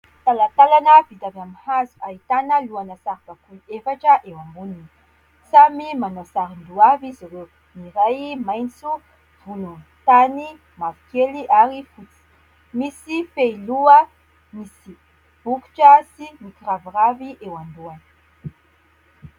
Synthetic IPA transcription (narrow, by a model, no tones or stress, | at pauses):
t̪alat̪alanəvid̪avamihaziaɦit̪anəluanəsaɾkakuefaʈ͡ʂəʔewambunin | samimanasaɾind̪uaviziɾew | niɾajmajnt͡su | v̥unum | t̪ani | mavi̥keliʔaɾifut͡si̥ | misifeiluə | misi | b̥uku̥ʈ͡ʂasimikiraviraviʔewand̪uanə̥